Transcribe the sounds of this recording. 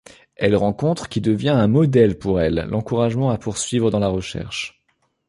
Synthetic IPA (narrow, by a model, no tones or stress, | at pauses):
ɛlʁɑ̃kɔ̃t̪χəkʲid̪əvjɛ̃ɛ̃mɔd̪ɛlpuʁɛlːʔɑ̃kuʁaʒmɑ̃apuʁsɥivʁəd̪ɑ̃laʁəʃɛ̰ʁʃ